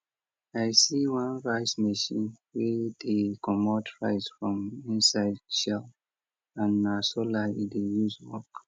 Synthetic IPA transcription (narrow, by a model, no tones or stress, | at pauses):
ajsiwãnɹaɪsmeʃĩnwɛdekʰɔmɔtɹaɪsfɹɔ̃mĩnsaɪdʃɛl | ãnasolaidejuzwɔ̰k